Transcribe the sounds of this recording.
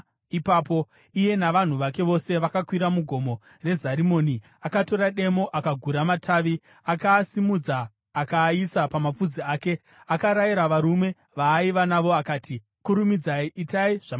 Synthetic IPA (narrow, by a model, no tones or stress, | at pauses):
ipaːpo̞ | ije̞naʋan̤uʋake̞ʋo̞se̞ʋakakwiɾamuɡʱo̞mo̞ | re̞zaɾimo̞ni | akato̞ɾaɗe̞mo̞ʔakaɡʱuɾamatʰaːʋi | akaːsimud͡zaː | kaːisapamap͡fud͡ziaːke̞ | akaɾaiɾaʋaɾume̞ | ʋaːiʋanaʋo̞akaːti | kuɾumid͡zaiʔitaiʐ̥a